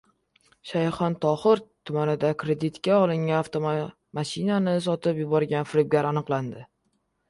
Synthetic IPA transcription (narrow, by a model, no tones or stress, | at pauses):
ʃajχɒnt̪ʰɒχɨɾt̪ʰʊmanɪd̪akʰɾe̞d̪ɪt̪kʲaɒlˠɪŋʲaft̪ʰo | maʃɪnanɪs̬ɒt̪ɪpjʊbɒɾɡʲanfɪɾɪb̚ɡʲaɾanɨqlˠand̪ɪ